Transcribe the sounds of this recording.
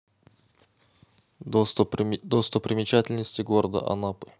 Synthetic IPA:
d̪ost̪əpːɾʲɪmʲɪt͡ɕætʲɪlʲnəsʲtʲɪɡoɾəd̪ə̰ʔɐ̰napɨ̥

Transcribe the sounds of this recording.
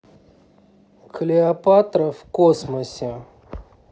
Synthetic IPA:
kʰlʲiapat̪ɾɐfkosmɐsʲe

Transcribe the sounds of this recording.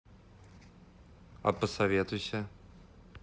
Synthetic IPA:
ɐ̰pəsɐvʲet̪ʊjsʲə

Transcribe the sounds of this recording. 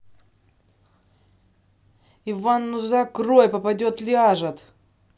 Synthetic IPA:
ɪvanːʊzakrojʲpɐpɐdʲot̪lʲɪaʐɐt̪

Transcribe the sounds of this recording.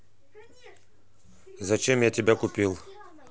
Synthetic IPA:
zɐt͡ʃɛmjatʲɛbʲakupʲilˠ

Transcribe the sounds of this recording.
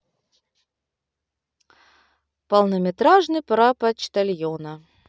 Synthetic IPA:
pɐlˠnəmʲɪt̪ɾaʐnɨpɾapɐt͡ɕt̪ɐlʲjonə

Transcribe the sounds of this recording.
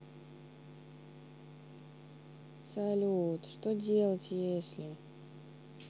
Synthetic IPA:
sɐlʲut̪ʂt̪odʲe̞lˠətʲjesʲlʲɪ

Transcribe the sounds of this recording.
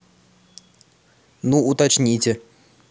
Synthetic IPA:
nuut̪at͡ʃnʲitʲɪ

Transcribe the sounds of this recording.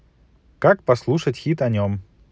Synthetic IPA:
kakpɐslˠuʂətʲxʲit̪ɐnʲom

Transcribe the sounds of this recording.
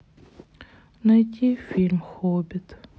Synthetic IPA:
nɐjtʲifʲilʲmxobʲɪt̪

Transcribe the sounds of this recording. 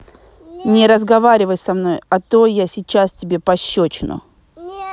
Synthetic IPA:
nʲɪɾəzɡɐvaɾʲɪvəjsɐmno̞jɐt̪ojasʲɪt͡ɕːastʲɪbʲe̞pɐɕːot͡ɕɪnʊ̰

